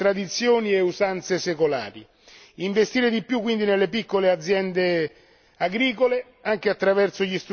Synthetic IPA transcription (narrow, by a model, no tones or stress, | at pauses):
t̪ɾad̪it̪sːjoːnieusant̪sesekola̰ːɾi | iɱvest̪iːɾed̪ipːjukːwind̪inelːepikːolead̪zːjɛnd̪e | aɡɾiːkole | aŋk̟eat̪ːɾavɛrt̪soʎist̪ɾ